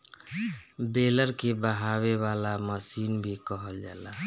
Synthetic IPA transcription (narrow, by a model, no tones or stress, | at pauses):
beləɾkebəɦawewalaməsiːnbʱikəɦəld͡ʒaːla